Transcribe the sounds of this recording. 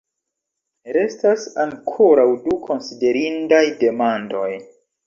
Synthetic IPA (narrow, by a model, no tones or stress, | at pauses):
ɾe̞stasaŋkʰo̞ɾawdukʰo̞nside̞ɾindajde̞mando̞j